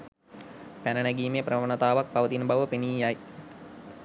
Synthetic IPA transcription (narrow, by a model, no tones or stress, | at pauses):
pænənæɡiːmejəprəʋənɐt̪aːʋak̚paʋət̪inbɐʋəpeniːjaj